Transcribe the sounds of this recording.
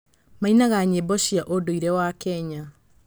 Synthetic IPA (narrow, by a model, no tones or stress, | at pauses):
mainaɣaɲebɔɕiaʔodoiɾɛwakɛɲa